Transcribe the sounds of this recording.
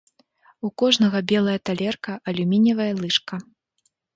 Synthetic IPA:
ukɔʐnɐɣɐbʲɛlˠɐjɐt̪alʲɛrkɐʔɐlʲumʲinʲɐvɐjɐlˠɨʂkɐ

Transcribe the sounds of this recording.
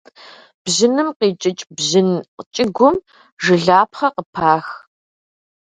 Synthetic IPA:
b̥zɨnɨmqiːt͡ʃʼɪt͡ʃʼbzɨnt͡ʃʼɪɡʷʊm | ʒɨɮaːpχɐqəpʰaːx

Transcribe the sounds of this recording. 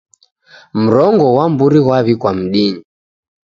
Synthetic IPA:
m̩ɾɔŋɡɔwambuɾiɣwaβikwam̩ɗiɲi

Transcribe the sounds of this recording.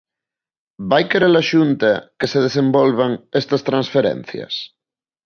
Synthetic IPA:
bajkeɾelaʃunt̪akeseðesẽmbɔlβaŋest̪ɐst̪ɾansfeɾɛ̰n̟θjɐ̰s

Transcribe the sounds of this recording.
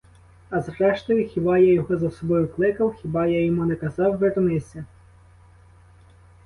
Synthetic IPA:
ɐzrɛʃt̪ɔjʊxʲibɑjajɔɦɔzɐsɔbɔjʊklˠɪkɐwxʲibɑjajɔmunekɐzɑwʋernɪsʲɐ

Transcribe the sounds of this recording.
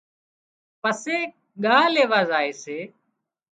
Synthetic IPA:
pəseː | ɠaːleːʋaːzaːeːseː

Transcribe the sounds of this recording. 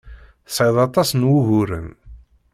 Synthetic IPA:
θsˤiðˤɑt̪ˤɑsnwuɣʊɾə̰n

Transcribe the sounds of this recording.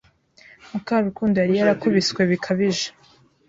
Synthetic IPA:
mukaɾukuːndujaɾijaɾakuβiskwe̞βikʰaβiʒḁ

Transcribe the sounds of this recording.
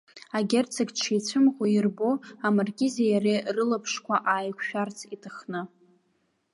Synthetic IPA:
aɡʲert͡sʰakʲt͡ʃʰit͡sʷʰɨmʁʷojirboamarɡʲɪzejarirɨlapʰʂkʷaʔaːjkʷʰʃᶣart͡sʰitʰɨχnɨ

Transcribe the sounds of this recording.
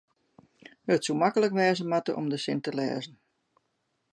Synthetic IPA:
ətsumakələkʋɛːzəmatə̰ʔɔ̰mdəsɪntəlɛ̰ːzən̩

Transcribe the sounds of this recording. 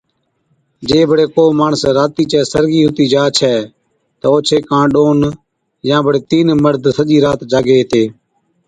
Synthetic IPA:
d͡ʒeːbʱəɽeːkoːmaːɳəsɾaːt̪iːt͡ʃɛːsəɾɡiːɦʊt̪iːd͡ʒaːt͡ʃʰɛː | t̪əoːt͡ʃʰeːkãːɗoːn | jãːbʱəɽeːt̪iːnməɾd̪ʱsəʄiːɾaːt̪d͡ʒaːɡeːɦt̪eː

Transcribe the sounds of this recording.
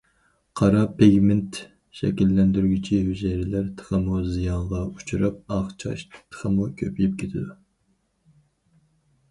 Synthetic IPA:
qʰɑɾɑpʰeɡʲmɪnt̪ | ʃɛ̰kʲilːɛnd̪yɾɡʲit͡ʃʰihyzɛɾɪlæɾt̪ʰə̥χəmuzijɑɴʁɑut͡ʃʰuɾɨp̚ɑχt͡ʃʰɑ̰ʃt̪ʰə̥χəmukʲʰøpʰlyp̚kʲʰet̪ʰɪd̪u

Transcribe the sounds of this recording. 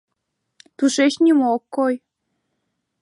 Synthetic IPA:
t̪uʃeʃnʲimookːoj

